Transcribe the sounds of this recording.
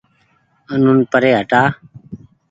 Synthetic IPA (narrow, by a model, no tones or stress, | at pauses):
ənunpəɾeːɦəʈaː